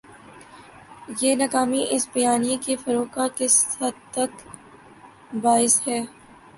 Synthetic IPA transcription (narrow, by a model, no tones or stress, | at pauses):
jeːnɐkaːmiʔɪsbɐjaːnijẽkefɐɾoːkakɪshɐd̪̚t̪ɐk | baːɪshɛː